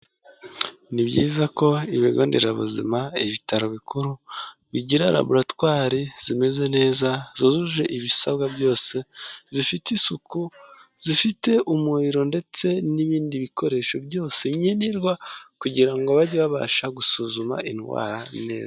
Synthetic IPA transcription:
nibɟḭːzako̞iβiɡoːndḭɾaβṵzḭmaiβitaɾo̞βikuɾuβiɟiɾaɾa̰buɾatwaːɾiz̥ime̞ze̞ne̞ːzazozuʒe̞ʔiβisaβɡabjo̞ːse̞zifitisuku | z̥ifite̞ʔumuiɾo̞nde̞t͡se̞niβiːndiβikʰo̞ɾe̞ʃo̞bjo̞ːse̞ɲeniɾɡwakuɟiɾaŋɡoβaɟiβaβa̰ːʃaɡusuzuma̰ʔinɡwa̰ːɾane̞̰ːza

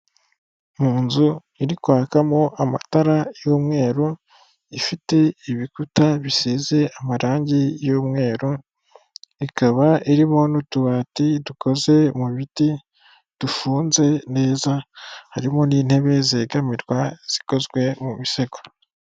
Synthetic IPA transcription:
muːnzu | iɾikwaːkamo̞ʔama̰taɾajoːmŋe̞ːɾo | ifite̞iβikutaβisiːze̞amaɾaːɲɟijoːmŋe̞ːɾo | ikaβaiɾimo̞nutuβaːtidukʰo̞ze̞muβiti | d̥ufuːnze̞ne̞ːzahaɾimo̞niːn̥he̞βe̞zeːɡamiɾɡwaz̥i̥ko̞zɡwe̞muβise̞ɡo

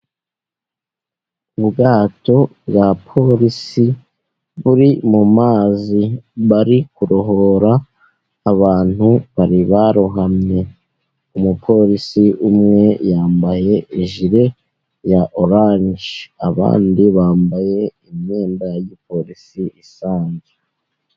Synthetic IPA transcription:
uβuɡaːto̞bɡapʰo̞ɾisi | βuɾimumaːziβaɾikuɾo̞ɦo̞ɾaː | βaːn̥huβaɾiβaɾoɦamɲe̞ | umupʰo̞ɾisiʔumŋe̞jaːmbaje̞iʒiɾe̞ | jaʔo̞ɾaːnʒaβa̰ːndiβaːmbaje̞imɲeːmbajjipo̞ɾisiisaːɲze

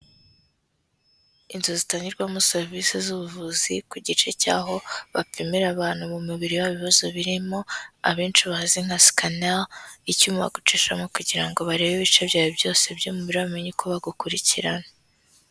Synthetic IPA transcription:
inzozitaːɲiɾɡwamuseɾvisizuβuvuzikuɟit͡ʃe̞ca̰ːɦo̞βap͡fimiɾaβaːn̥humumuβiɾiwaβiβazo̞βiɾimo̞a̰βiːnt͡ʃiβahaziŋ̥hasi̥kanaicumuβa̰ɡut͡ʃiʃamo̞kuɟiɾaŋɡo̞βaɾe̞ːβeβit͡ʃe̞bjaːjobjo̞ːse̞bjomuβiɾaβmeɲikʰoβaɡukuɾiciɾana

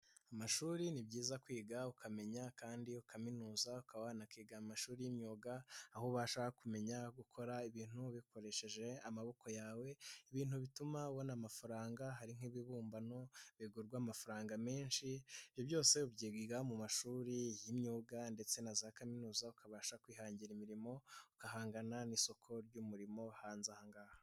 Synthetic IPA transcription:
amaʃuːɾinibɟiːzakwiːɡaukʰame̞ɲakaːndiukʰaminuːzaukawaːnakiːɡamaʃuːɾijimɲuːɡaːhoβaʃahakume̞ɲaɡukʰo̞ɾaiβiːn̥huβikʰoɾe̞ʃe̞ʒe̞amaβo̞ko̞jaːwe̞iβiːnuβitumawo̞namafaɾaːŋɡaɦaɾiŋ̥iβiβuːmbano̞βiɡuɾɡwaːmafaɾaːŋɡameːnʃiibjo̞bjo̞ːse̞ubɟiːɡiɡamumaʃuːɾijimɲuːɡande̞t͡se̞nazaːkaminuːzaukʰaβaːʃakwiːɦaːɲɟiɾimiɾimo̞ukaɦaːŋɡananiso̞kʰo̞ɾɟumuɾimo̞haːnzahaŋɡaːha

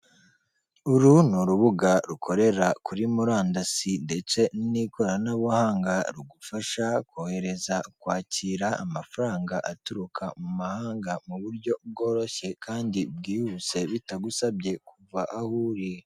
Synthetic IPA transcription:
uɾunuɾuβuɡaɾukʰo̞ɾe̞ɾakʰuɾimuɾaːndasinde̞t͡se̞niniko̞ɾanaβohaːŋɡaɾuɡufaʃakohe̞ɾe̞zakwaːciɾaa̰mafaɾaːŋɡaʔatuɾukʰamumahaːŋɡamuβuɾɟo̞b̚ɡo̞ːɾo̞çe̞kʰaːndib̚ɡiːhuse̞βitaɡusabɟe̞kʰuvaʔahuɾi

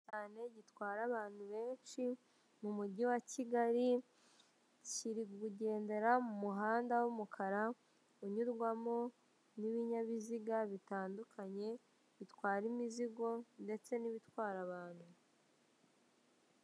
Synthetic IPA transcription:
aːne̞ɟitwaːɾaβaːn̥huβe̞ːnʃi | mumuɟiwaciɡaɾi | ciɾiɡuɟe̞ːnde̞ɾamumuɦaːndawumukʰaɾa | uɲuɾɡwamo̞ | niβiɲaβiziɡaβitaːndukʰaɲe̞ | βitwaːɾimiziɡo̞nde̞t͡se̞niβitwaːɾaβaːnhu

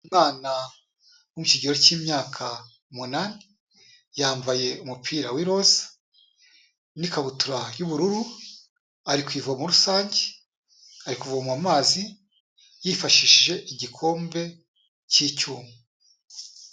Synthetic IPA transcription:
umŋaːna | womuciɟiɾociːmɲaːkʰa | munaːne | jaːɱvaje̞umupʰiːɾawiɾo̞zḁ | nikaβutuɾajuβuɾuɾu | aɾikwiːvomuɾusaːɲɟe | aɾikuvomwamaːzi | jifaʃiʃiʒe̞ʔiɟikʰo̞ːmbe̞ | cicuːmwe

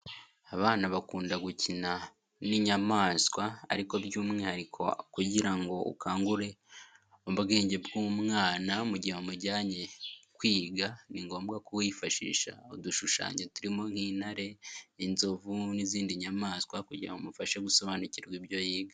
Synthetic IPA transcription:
aβaːnaβakuːndaɡucina | niɲamaːskwa̰ːɾiko̞bjuːmŋehaɾikʰo̰kuɟiɾaŋɡo̞ṵkʰaːŋɡuɾe̞ | oβbɡe̞ːɲɟe̞bɡuːmŋaːnamuɟiomuɟaːɲe̞kwiːɡaniŋɡo̞ːmbɡakuwiːfaʃḭːʃa̰oduʃuʃa̰ːɲetuɾimo̞ŋhiːn̥haɾe̞inzovuniziːndiɲamaːskwakuɟiɾa̰ŋɡomufaʃe̞ɡuso̞βaːnuciɾɡibjo̞jiːɡa

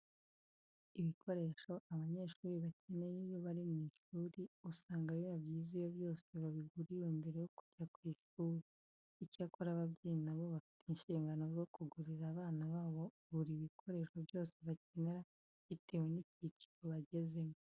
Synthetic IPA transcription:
iβikʰo̞ɾe̞ʃo̞ʔaβaɲe̞ːʃuːɾiβacenejejo̞βaɾimwiːʃuːɾiusaːŋɡajoβaβjiːzijo̞βjo̞ːse̞βaβiɡuɾijombe̞ɾe̞jo̞ku̥ɟakwiːʃuːɾiː | cakoɾaβabɟiːnaβo̞βafi̥tinʃiːŋɡano̞ɾjo̞kuɡuɾiɾaːβaːnaβaːβo̞ | βuɾiːβikʰo̞ɾe̞ʃo̞bjo̞ːse̞βace̞neɾa | βitʰe̞ːwe̞nicit͡ʃi̥ɾoβaɟe̞ze̞mo

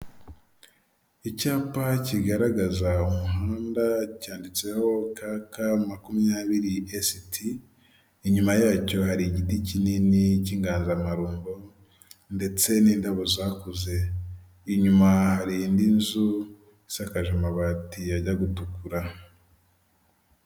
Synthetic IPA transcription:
icaːpaciɡaɾaɡazaumuɦaːndacaːndit͡se̞ho̞kakamakumijaːβiɾiʔesitʰiː | ɲumajaːco̞haɾiɟiticininiciːŋɡaːnzamaɾuːmbo | nde̞t͡se̞niːndaβozakuze̞ | iɲumahaɾindinzu | isakaʒomaβatijaɟaɡutukuɾa

